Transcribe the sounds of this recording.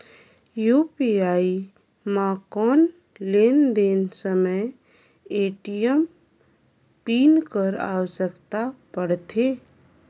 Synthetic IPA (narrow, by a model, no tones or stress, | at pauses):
juːpiaːi | maːkɔːn | leːnd̪eːnsəməj | eːʈijəm | piːnkəɾa̰ːʋəsəkt̪apəɽt̪ʰeː